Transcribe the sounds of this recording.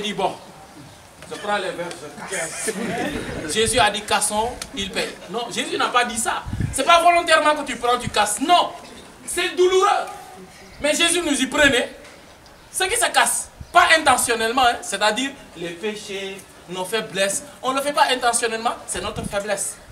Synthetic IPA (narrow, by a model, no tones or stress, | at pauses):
ʒed̪ibɔ̃ | ʒ̥əpɾãlɛvɛ | ʒezyad̪ikasɔ̃ilpɛjnɔ̃ʒezynapad̪isasɛpavɔlɔ̃t̪ɛʁmɑ̃kət̪ypɾɑ̃t̪ykasnɔ̃ | sɛd̪uluʁø | mɛʒezynuzipʁəne | səkisəkaspaʔɛ̃t̪ɑ̃sjɔnɛlmɑ̃ɛ̃sɛt̪ad̪iːʁ | lepeʃe | nɔ̃fɛblɛsɔ̃ləfɛpaʔɛ̃t̪ɑ̃sjɔnɛlmɑ̃sɛnɔt̪ɾəfɛblɛs